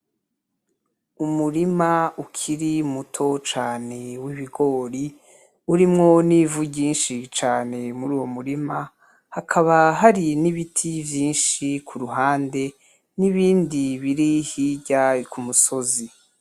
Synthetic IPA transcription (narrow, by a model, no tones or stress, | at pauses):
umuɾimaukʰiɾimutʰo̞t͡ʃaːne̞wiβiɡo̞ːɾi | uɾimŋo̞nivuɟiːnʃit͡ʃaːne̞muɾuːwo̞muɾima | hakʰaβaɦaɾiniβitʰivjiːnʃikʰuɾuɦaːnde̞ | niβiːndiβiɾihiɟakumuso̞zi